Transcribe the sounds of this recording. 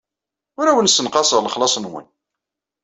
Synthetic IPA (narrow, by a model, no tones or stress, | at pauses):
ʊɾæwənsːənqɑsˤəʁləχlɑsˤnwə̰n